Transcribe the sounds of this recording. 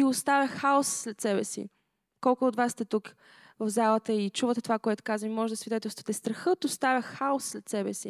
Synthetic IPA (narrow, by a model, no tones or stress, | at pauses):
iost̪avʲjəxxaɔsslɛt̪sɛbɛsḭ | kɔlˠkʊːd̪vasːt̪ɛt̪uk | vəvzalˠət̪əit͡ʃuvət̪ɛt̪ovakoɛt̪ʊ̥kazvimmɔʒɛd̪ɐsvid̪ɛt̪ɛlˠst̪vət̪ɛst̪ɾɐxɤt̪ost̪avʲjəxxaɔsslɛt̪sɛbɛsi